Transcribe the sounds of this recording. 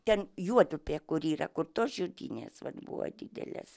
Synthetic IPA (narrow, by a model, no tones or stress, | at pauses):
t̪ʲɛnjuɔd̪ʊpʲeːkʊɾiːɾɐkʊrt̪oːsʒʲʊd̪ʲḭːnʲḛːsʋɐ̰t̪bṵʋo̰ːd̪ʲɪd̪ʲɛ̰lʲḛs